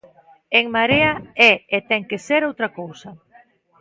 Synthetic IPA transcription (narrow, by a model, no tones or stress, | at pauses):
eŋmaɾeaɛet̪ɛŋkeseɾowt̪ɾakowsɐ